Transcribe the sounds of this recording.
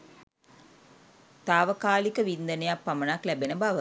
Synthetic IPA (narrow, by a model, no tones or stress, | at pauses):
t̪aːʋəkaːlikəʋind̪ənejapːamənaklæbenəbaʋə